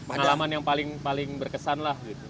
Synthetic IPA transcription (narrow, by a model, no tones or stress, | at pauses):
pəŋalamanjaŋpalɪŋpalɪŋbərkəsanlahɡit̪u